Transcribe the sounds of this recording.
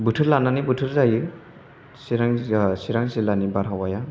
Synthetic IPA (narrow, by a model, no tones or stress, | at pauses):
bɯtʰɯɾlananibɯtʰɯɾzajɯ | siɾaŋsiɾaŋselanibaɾɦawaja